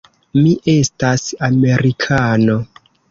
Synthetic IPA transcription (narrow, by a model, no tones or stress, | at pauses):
miʔe̞stasame̞ɾikʰano̞